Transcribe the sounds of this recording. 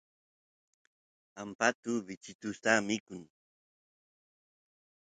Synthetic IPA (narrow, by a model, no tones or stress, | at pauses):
ampat̪ʊbɪt͡ʃɪt̪ʊst̪amɪkʊŋ